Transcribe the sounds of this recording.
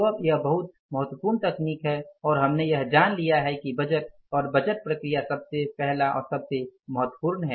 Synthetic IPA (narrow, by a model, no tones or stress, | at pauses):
əjɐɦbəɦʊt̪̚ | məɦət̪wəpuɾnt̪ɐkniːkɦɛɔːɾɦɐmnejɐɦd͡ʒaːnlijaɦɛkibɐd͡ʒət̪̚ | ɔːɾbɐd͡ʒət̪̚pɾəkɾijasɐbsepɛɦlaʔɔ̰ːɾsɐbseməɦət̪wəpʊɾnɦɛː